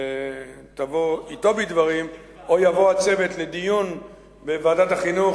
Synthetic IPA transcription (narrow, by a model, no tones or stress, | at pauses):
e | t̪avo̞it̪o̞bid̪vaʁim | o̞javo̞at͡se̞vetled̪ijun | bevaːdat̪aχinu